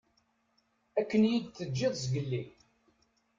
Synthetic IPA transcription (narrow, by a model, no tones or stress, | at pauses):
ækːənjid̪θəd͡ʒːɪðˤsɡəlːi